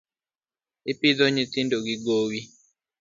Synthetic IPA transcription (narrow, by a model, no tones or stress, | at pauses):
ipid̪oɲitindoɡiɡowi